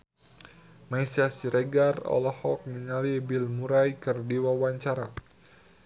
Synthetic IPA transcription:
majsiasiɾɛɡarɔ̰lɔhɔk̚niɲalibilmuɾajkərdiwawaɲt͡ʃaɾa

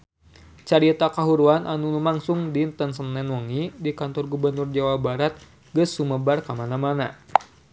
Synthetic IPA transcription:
t͡ʃaɾit̪akaɦuɾuanʔanulumaŋsʊŋdint̪əns̬ənːɛnwɔŋidikant̪ɔrɡubərnurd͡ʒawabaɾat̪̚ | ɡəsuməbarkamanamana

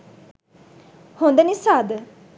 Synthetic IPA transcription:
hõnd̪enisad̪

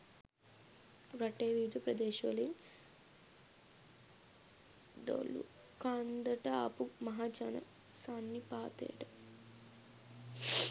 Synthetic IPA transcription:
ɾɐʈeːʋiːd̪upɾɐd̪eːʃʋɐlɐjim | d̪o̰ːlːṵ | kaːnd̪ɐʈɐa̰ːpumɐɦaːt͡ʃɐnɐ̰ | saːnːipaːt̪ḛːʈɐ

